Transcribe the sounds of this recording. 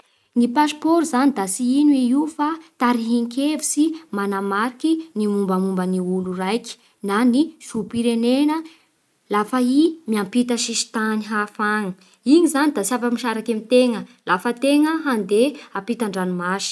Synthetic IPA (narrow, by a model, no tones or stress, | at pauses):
nipaspoɾuzanid̪asiinuiiufat̪aɾiɦiŋkʲevisimanamaɾikinimumbəmumbəniulurajki̥ | nanifupiɾenenə | lafaimiampit̪əʃiʃi̥t̪aniɦafaŋə | iɲizanid̪asavəmiʃaɾakemit̪eŋəlafət̪eŋəɦand̪eapit̪aɳɖ͡ʐanumaʃi̥